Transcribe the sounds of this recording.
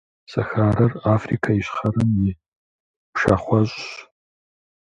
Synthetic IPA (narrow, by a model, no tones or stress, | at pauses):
sʼɐxaːɾɐraːfrḭkʰaɪɕχɐrɨmjɪ | pʃa̰χʷɔɕʼɕ